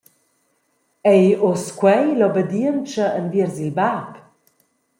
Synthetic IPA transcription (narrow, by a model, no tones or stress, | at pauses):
ɛjoskwɛjlɔbədiənt͡ʃəənviəɾzilbap